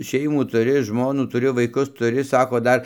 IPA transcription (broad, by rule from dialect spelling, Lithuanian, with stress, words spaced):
ˈʃʲɛɪmuː tʊˈrʲɪ ˈʒmoːnuː tʊˈrʲɪ ʋɐɪˈkʊs tʊˈrʲɪ ˈsɑːkoː ˈdɐr